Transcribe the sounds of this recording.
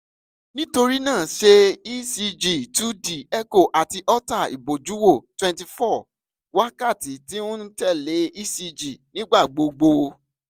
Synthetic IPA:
nĩ˦to˧ɾi˦nãː˦˨ʃe˧i˦si˧d͡ʒi˦˨tu˦di˨ɛ˦ko˦˨ʔa˨ti˧ʔɔ˦ta˦˨ḭ˨bo˨d͡ʒu˨˦wo˦˨twɛ̃˧nti˧fɔ˦˨ | wa˦ka˦˨ti˨ti˨˦ũ˦n̩˦tɛ˦˨le˨˦i˦si˧d͡ʒi˨nĩ˦ɡ͡ba˦˨ɡ͡bo˧ɡ͡bo˧

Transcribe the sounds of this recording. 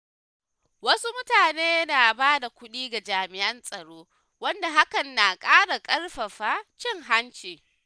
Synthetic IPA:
wɐ˦su˦mʊ˦taː˨neː˦na˨baː˦da˨kʷʊ˦ɗiː˦ɡa˨d͡ʒaː˨mɪ˨ʔɐ˦nsʼɐ˨ɽoː˦ | wɐ˦nda˨ɦa˦kɐ˨nːa˨kʼaː˦ɽa˨kʼɐ˦rɸɐ˨ɸa˦t͡ʃɪ˦˨ŋɦa˦nt͡ʃeː˨

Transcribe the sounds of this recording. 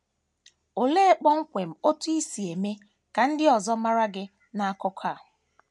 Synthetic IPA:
o˨le˦k͡pɔ˦ŋ̩˦kʷe˨m̩˨o˦tu˦i˦si˨e˨me˦ | ka˨n̩˦dɪ˦ɔ˨zɔ˦ma˦ɾa˦ɡɪ˦ | na˦a˦kɔ˦kʰa˦˨

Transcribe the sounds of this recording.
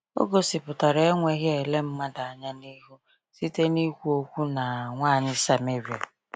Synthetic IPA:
o̰˦ɡo˨sɪ˨pʊ˨ta˨ɾe˨e˦ŋʷe˦ɦje˨le˦m̩˦ma˦da˨a˨ɲa˦ni˦ɦu˦ | si˦te˦ni˦kʷu˦o˦kʷu˦na˨ŋʷaː˦˨ɲɪ˦sa˨me˦ɾja˨

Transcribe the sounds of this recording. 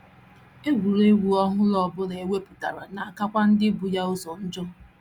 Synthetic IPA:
e˦ɡʷu˨ɾe˦ɡʷu˨ɔ˦ɦʊ˦lɔ˨bʊ˦le˨e˨we˦pu˨ta˨ɾa˨na˨a˨ka˦kʷa˦n̩˦dɪ˦bu˨ja˦ʊ˦zɔ˨n̩˦d͡ʒɔ˦

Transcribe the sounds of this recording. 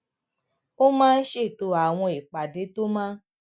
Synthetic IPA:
o˦mãː˦˧n̩˦ʃe˦˨to˧˦a˨w̃ɔ̃˧i˨k͡pa˨de˨˦to˦mãː˦

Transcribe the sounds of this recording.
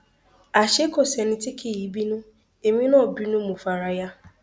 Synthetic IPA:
a˨ʃe˦ko˨sɛ˨nɪ̃˨tɪ˦kʰe˨ji˨˦bi˦nũ˦ | e˨mĩ˦nɔ̃˦˨bi˦nũ˦mũ˨fa˨ɾa˨ja˦

